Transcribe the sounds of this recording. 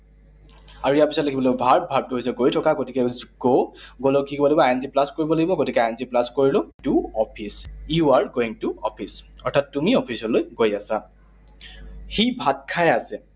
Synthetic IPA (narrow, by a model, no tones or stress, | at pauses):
aɹuijaɹpisɔtlekʰibɔlobʱaɹb̚bʱaɹb̚tuɦojsɛɡojtʰɔkaɡotikɛzɡoɡolokikɔbɔlaɡibɔajnziplaskoɹibɔlaɡibɔɡotikɛajnziplaskoɹilʊduɔpʰisjuaɹɡoiŋtuɔpʰisɔɹtʰatːumiɔpʰisɔlojɡojasa | xibʱat̚kʰajasɛ